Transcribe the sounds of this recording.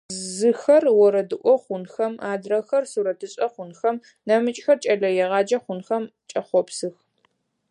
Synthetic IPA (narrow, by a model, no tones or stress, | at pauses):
zɨxɐrwɔɾɐdɨʔʷʼɔχʷʊnxɐmaːdrɐxɐrsuɾɐtʰɨɕʼɐχʷʊnxɐm | nɐmɨt͡ʃʼxɐrt͡ʃʼɐɮɐjɛʁɑːd͡ʒɐχʷʊnxɐmt͡ʃʼɐχʷɔpsɨx